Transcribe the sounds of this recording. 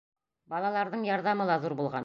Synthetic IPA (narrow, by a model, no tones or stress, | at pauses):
bɑlˠɑlˠɑɾðɤɴjɒɾðɑmɤlˠɑzuɾbulˠʁɑ̰n